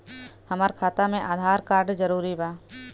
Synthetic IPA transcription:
həmaːɾkʰaːt̪amẽʔaːd̪ʱaːɾkaːɾɖd͡ʒəɾuːɾibaː

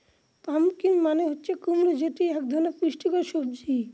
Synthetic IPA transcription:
pamkimːaneɦotːɕʰekumɾod͡ʑeʈiɛk̚d̪ʱɔnepiʃʈikoʃob̚d͡ʑi

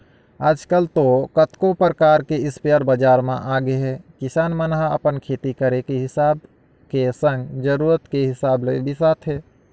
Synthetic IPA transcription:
aːd͡ʒkəlt̪okət̪kopɾəkaːɾkeɪspeəɾbəd͡ʒaːɾmã̰ʔaːɡeɦɛkɪsaːnmənɦaə̰pənkʰeːt̪ikəɾekeɦɪsaːb̚ | kesə̃ŋɡd͡ʒəɾuːɾət̪keɦɪsaːblḛbɪsaːt̪ʰɦɛː

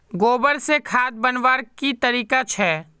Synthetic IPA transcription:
ɡoːbəɾsekʰaːd̪̚bənʋaːɾkit̪əɾiːkat͡ʃʰɛː

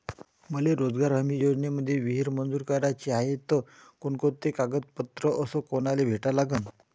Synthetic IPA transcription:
məleɾod͡zɡaɾɦəmiːjod͡ʑneməd̪ʱːjeʋiɦiɾmənd͡zuːɾkəɾat͡ɕiaɦet̪ə | koɳkot̪ekaɡət̪̚pət̪ɾəʔəsəkonalebʱeʈalaɡən

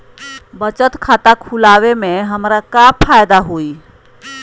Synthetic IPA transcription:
bət͡ʃət̪kʰat̪akʰulaʋemeɦəmɾakapʰajd̪aɦoi

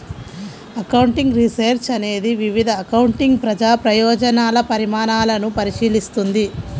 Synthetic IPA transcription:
ɐkɐwɳʈiŋɡɾiseɾt͡ʃɐne̞ːd̪iʋiʋid̪ʱɐːkɐwuɳʈiŋɡpɾɐd͡ʒaːpɾɐjɔːd͡ʒɐnaːlɐpɐɾimaːnaːlɐnupɐɾiʃiːlist̪und̪i

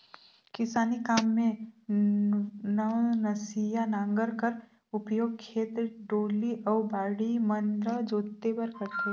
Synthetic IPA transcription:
kɪsaːnikaːmːẽ | nənɐsijanãːŋɡəɾkəɾ | ʊpjoːɡkʰeːt̪ɾəɖoːliʔɐʊbaːɽimənd̪ɾəd͡ʒoːt̪ːebɐɾkɐɾt̪e

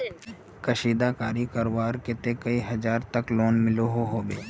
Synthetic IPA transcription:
kɐʃiːd̪akaːɾikɐɾowaːɾkɪt̪ekɐiɦɐd͡ʒaːɾt̪ɐkloːnmɪloɦoɦoːbeː

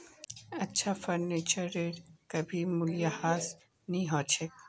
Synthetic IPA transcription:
ɐtːʃʰafɐɾneːt͡ʃəɾːeːɖkɐbʱimʊlijahaːs | nɐɦĩɦoːt͡ʃʰeː

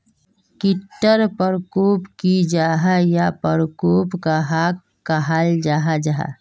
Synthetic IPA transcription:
kɪʈːəɾpəɾkuːpkid͡ʒaːɦajapəɾkuːpkaɦakː | əɦald͡ʒaːɦad͡ʒaɦa̰

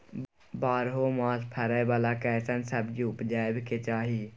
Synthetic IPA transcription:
baːɾɦoːmãːspʰɛɾɛːbaːlaːkɛːsənsəbd͡ʒuːpd͡ʒaːeʋɪkeːt͡ʃaːɦiː

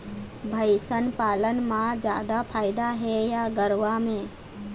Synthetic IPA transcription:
bʱəɪsənpaːlənmãd͡ʒjaːd̪apʰaːɪd̪aɦɛjaɡəɾʋamẽː

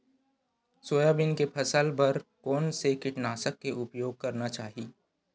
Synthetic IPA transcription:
soːjabɪnkepʰɐsəlbɐɾkɔːnsekɪʈnaːsəkːeʔʊpjoːɡ̚kɐɾnat͡ʃaːɦiː

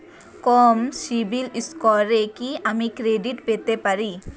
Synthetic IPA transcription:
kɔmsibiliskɔɾekiamikɾeɖiʈpet̪epaɾi

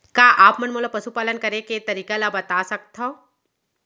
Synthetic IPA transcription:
kaːʔaːpmɐnmoːlapɐsupaːlənkɐɾeket̪ɐɾiːkalabɐt̪asɐk̚t̪ɦo

